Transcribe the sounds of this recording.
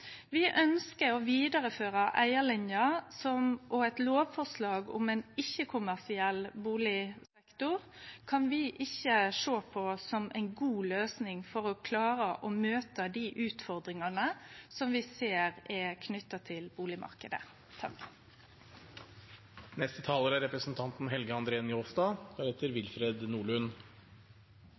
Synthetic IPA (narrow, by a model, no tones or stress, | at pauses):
ʋɪʔœnskəɾɔʋiːd̪ɑɾəføːɾɑʔæɪəɭɪnjɑsɔmʔɔɛt̪loːʋfɔʁʂlɑːɡʊ̰mɛnɪçːəkʰʊmæʁsɪɛlːbuːlɪsɛkt̪ʊʁ | kʰɑnʋɪʔɪçːəʂoːpʰɔsɔmʔæ̰ɪnɡuːløːsnɪŋfɔɾɔkʰlɑːɾəʔɔmøːt̪əd̪iʔʉːt̪fɔɾd̪ɾɪŋɑnəsɔmʋɪseːɾɛkʰnʏt̪ːɑt̪ʰɪlbuːlɪmɑ̰ɾkəd̪ə̰ | t̪ʰɑ | nɛst̪ət̪ʰɑːləɾæɾɛpɾəsn̩t̪ʰɑnt̪n̩ɦɛlɡəɑnd̪ɾeːnjoːsd̪ɑːɡɑɾɛt̪əɾʋɪlfɾeːd̪nuːɭʉn